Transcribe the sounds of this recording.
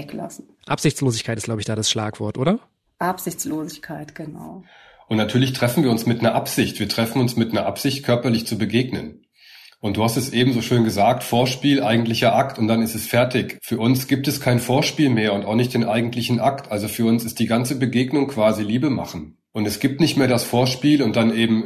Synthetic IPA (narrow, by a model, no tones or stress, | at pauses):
ɛkla̰sn̩ʔapz̥ɪçt͡sloːzɪçkʰaɪtɪstɡ̥aʊbəɪçd̥aːdasʃlaːkv̥ɔɐtʔoːdɾɐ | ʔapz̥ɪçt͡sloːzɪçkʰaɪtɡ̥əna̰ʊ | ʔʊntnatʰyːɐlɪçtʁ̥ɛfn̩viːɐʊnsmɪtnɐʔapz̥ɪçtv̥iːɐtʁ̥ɛfn̩ʊnsmɪtnɐʔa̰pz̥ɪçt̚kʰœɐpɐlɪçt͡subəɡeːɡnən | ʔʊnt̚d̥uːhastɛsʔeːbm̩zoːʃøːnɡəzaːk̚tfoːɐʃpiːlʔaɪɡŋ̩tlɪçɐʔaktʊntd̥anɪstɛsfɛɐtɪçfyːɐʔʊnsɡ̥iːp̚tɛskʰaɪnfoːɐʃpiːlmeːɐʊntaʊxnɪçt̚d̥eːnʔaɪɡŋ̩tʰlɪçn̩ʔaktʔalzofyːɐʊnsɪstd̥iːɡant͡səbəɡeːɡnʊŋkv̥aːziliːbəma̰χn̩ | ʔʊntɛsɡ̥iːp̚tnɪçtmeːɐdasfoːɐʃpiːlʊnt̚d̥anʔeːbm̩